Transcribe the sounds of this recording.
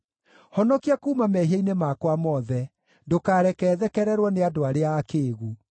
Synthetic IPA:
hɔnɔkiakuːmamɛɦiainemakwamɔðɛ | dokaːɾɛkɛːðɛkɛɾɛɾwɔneadoaɾeaːkeːɣu

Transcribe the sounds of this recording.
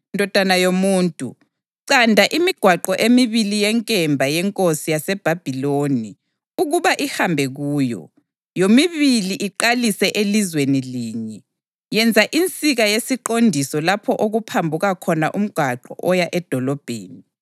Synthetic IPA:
ndʱɔd̥ʱanajomuːntʼṵ | ǀandʱaʔimiɡ̥ʱwaǃɔʔemiβilijɛŋkʼɛmbʱajɛŋkʼosijasɛb̥ʱab̥ʱiloni | uɣuβaʔihambʱɛɣuːjɔ̰ | jomiβiliʔiǃalisɛʔelizweniliːɲɛ | jɛnd͡zʱaʔint͡sʼiɣajesiǃondʱisɔlapʰɔʔoɣupʰambʱuɣakʰɔnaʔum̩ɡ̥ʱwaǃɔ̰ʔɔjaʔɛd̥ʱɔlɔb̥ʱḛːni

